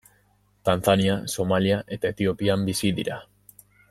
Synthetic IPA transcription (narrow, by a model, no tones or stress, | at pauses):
t̪anθaniaso̞maliaʔe̞t̪ae̞t̪io̞piambisiðḭɾa